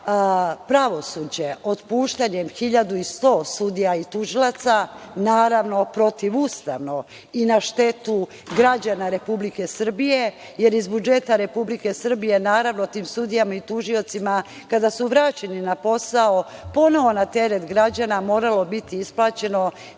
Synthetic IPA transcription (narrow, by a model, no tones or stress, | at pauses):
pɾaʋo̞suːd͡ʑe̞o̞t̪puːʃt̪aɲe̞mxiʎad̪uist̪o̞ːsud̪ijait̪uʒilˠat̪sanaːɾaʋno̞pɾo̞t̪iʋust̪a̰ʋno̞ | inaʃt̪e̞t̪u | ɡɾad͡ʑanaɾe̞publike̞sr̩bije̞ | je̞ɾizbud͡ʒe̞t̪aɾe̞publike̞sr̩bije̞naːɾaʋno̞t̪iːmsud̪ijamait̪uʒio̞t̪sima | kad̪asuʋɾaːt͡ɕe̞ninapo̞saopo̞no̞ʋo̞nat̪e̞ɾet̪ɡɾad͡ʑanamo̞ːɾalo̞bit̪iisplˠaːt͡ɕe̞no̞